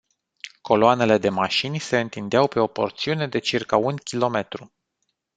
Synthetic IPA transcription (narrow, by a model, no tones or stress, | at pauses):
kʰo̞loane̞le̞d̪e̞maʃinʲse̞ɨnt̪ind̪eawpe̞o̞po̞̰rt̪siune̞d̪e̞t͡ʃirkaunkʲilo̞me̞t̪ɾu